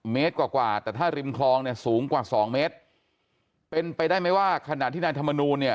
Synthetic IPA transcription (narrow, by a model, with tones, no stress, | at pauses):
meː˦˥t̪̚kwaː˨˩kwaː˨˩t̪ɛː˨˩t̪ʰaː˥˩ɾi˧mkʰlɔː˧ŋni˥˩ɐsuː˩˦ŋkwaː˨˩sɔː˩˦ŋmeː˦˥t̪̚ | pe˧npa˧jdaː˥˩jma˥jwaː˥˩kʰa˧na˨˩˨t̪ʰiː˥˩naː˧jt̪ʰa˧mːa˧nuː˧nːi˥˩ɐ